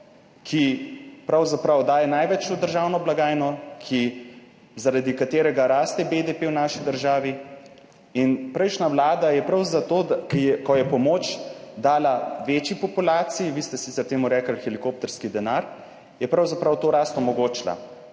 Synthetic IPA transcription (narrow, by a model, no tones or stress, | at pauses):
kʰipɾawzapɾawd̪aːjɛnajʋɛt͡ʃod̪əɾʒaːwnɔblaɡaːjnɔkʰi | zaɾad̪ikat̪eːɾɛɡaɾaːst̪ɛbed̪epewnaːʃid̪əɾʒaːʋi | inpɾɛjʃnawlaːd̪ajɛpɾawzat̪od̪akiɛkɔjɛpɔmoːt͡ʃd̪aːlaʋeːt͡ʃipɔpulaːt̪sijiʋiːst̪ɛsit̪sɛɾt̪eːmuɾɛːkəlxɛlikoːp̚t̪ɛɾskid̪ɛnaɾ | jɛpɾawzapɾawt̪oːɾaːst̪umɔɡoːt͡ʃla̰